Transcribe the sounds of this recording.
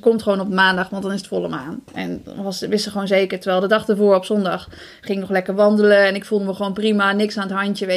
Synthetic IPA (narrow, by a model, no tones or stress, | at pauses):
kɔmtχəʋoːnɔpəmaːndɑχʋɑntdɑnɪsətfɔlˠəmaːnɛ̰n̰ʋɑsʋɪsəχʋoːnzejkəɹtəɹʋɛːlˠdədɑχdəɹvoːɹɔpsɔndɑχ | χɪŋɪknɔχlɛkəɹʋɑndələɛnɪkfulˠdəməχəʋownprimanɪksanətɦɑntjəʋe